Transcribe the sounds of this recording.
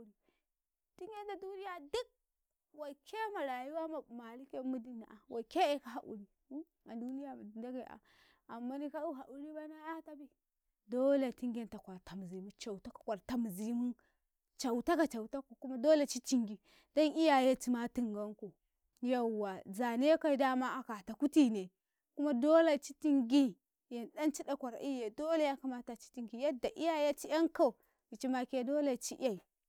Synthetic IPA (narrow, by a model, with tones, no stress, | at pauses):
ɾi˨ | ti˦ŋɡe˦nta˨du˦ni˦ja˨du˦k̚ | wa˨kʰe˦ma˨ɾa˨ju˦wa˦ma˨ma˨li˦ke˦mu˦di˦na˨ʔa˨wʔa˨ke˦e˦ka˦ɦa˨ʔṵ˨ɾi˦ | a˨du˦ni˦ja˨ma˨di˨nda˦ɡe˨a̰˨ | a˨mːa˦ni˦ka˦u˦ɦa˨ʔu˦ɾi˦ba˦na˦a˦ta˦bi˦ | do˦le˨ti˦ŋɡe˦nta˨kʷa˨ɾta˨m˨zi˨mu˦t͡ʃa˨u˨ta˦kḁ˨kʷa˨ɾta˨m˨zi˦mu˦ | t͡ʃa˨u˨ta˦ka˨t͡ʃa˨u˨ta˦ko˨ku˦ma˦do˦le˦˨t͡ʃi˦ti˦ŋɡi˨ | da˦ni˦ja˨je˦t͡ʃi˦ma˦ti˨ŋɡa˦ŋko˨ | ja˦wa˨za˨ne˦ka˦i˦da˦ma˦ʔa˨ka˨ta˨ku˦ti˨ne˨ | ku˦ma˦do˦la˨t͡ʃi˦ti˦ŋɡi˦ | ja˨nda˦nt͡ʃi˦da˨kʷa˨ɾʔi˦ja˨do˦le˦ja˦ka˦ma˦ta˨t͡ʃi̥˦ti˦ŋɡi˨ja˦da˨ʔi˦ja˨ja˦t͡ʃi˦ja˦ŋka˦˨ | ɡi˨t͡ʃi˦ma˦ke˦do˦le˨t͡ʃi˦ʔa˦i˨